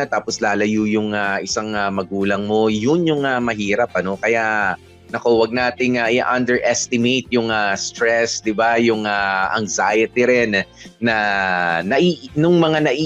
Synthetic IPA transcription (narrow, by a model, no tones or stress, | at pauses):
ɐt̪aːposlaːlɐjujʊŋaʔɪsaŋamɐɡuːlɐŋmo̞jʊnjʊŋɐmɐɦiːɾɐp̚ɐno̞kɐjaʔ | nɐkowɐɡ̚naːt̪ɪŋaʔɪʔɐnd̪ɛɹʔɛst̪ɪmejt̪̚jʊŋast̪ɾɛsd̪ɪbajʊŋaʔɐ̰ŋzajɐt̪ɪɾɛnːɐnɐʔinʊŋmɐŋanɐʔiː